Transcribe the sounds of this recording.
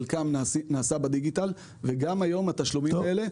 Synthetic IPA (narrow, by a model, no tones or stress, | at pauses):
lkamnaːsabad̪iɡit̪al | veɡamajo̞mat̪aʃlumiele̞